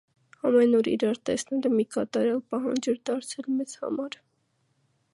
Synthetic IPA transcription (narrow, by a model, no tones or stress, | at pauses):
ɑmɛnɔɾḭɾɑɾt̪ɛ̰snɛɾəmikɑt̪ɑɾɛlpɑɦɑ̰nd͡ʒɛɾd̪ɑɾt͡sʰɛlmɛt͡shɑ̰mɑɾ